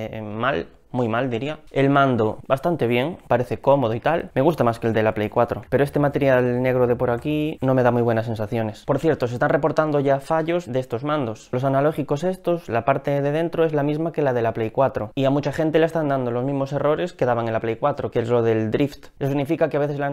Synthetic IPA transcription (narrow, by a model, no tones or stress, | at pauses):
mal | mujmald̪iɾiae̞lmãnd̪obast̪ant̪e̞β̞je̞ŋpaɾeθe̞ko̞moð̞oit̪alme̞ɣ̞ust̪amaskeld̪e̞laplejkwat̪ɾopeɾoest̪emat̪e̞ɾjalne̞ɣɾoðe̞po̞ɾakino̞me̞ð̞amuijβwe̞nas̬ːe̞nsaθjo̞ne̞spo̞ɾθje̞ɾt̪osest̪anre̞po̞ɾt̪and̪oʝafaʝo̞zdeest̪ozmãnd̪o̞slo̞sanalo̞xiko̞se̞st̪o̞slapaɾt̪eðe̞ð̞ẽ̞nt̪ɾoe̞zlamizmake̞laðe̞laplejkwat̪ɾoiamut͡ʃaxe̞nt̪e̞laest̪and̪and̪olomizmo̞se̞ro̞ɾe̞ske̞ðaβaŋelaplejkwat̪ɾokezlo̞ðe̞ld̪ɾift̪es̬osiɣnifikakeaβe̞θe̞sla